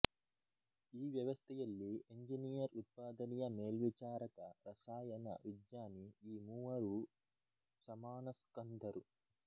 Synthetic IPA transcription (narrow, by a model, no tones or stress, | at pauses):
iːʋjɐʋɐst̪ʰɛjɐlːieɲd͡ʒiniːjɐɾut̪̚paːd̪ɐnijɐmeːlʋit͡ʃaːɾɐk̪ɐɾɐsaːjɐnɐ̰ʋid̪ɲaːniiːmuːɐɾu | sɐmaːnɐskɐnd̪ʱɐɾu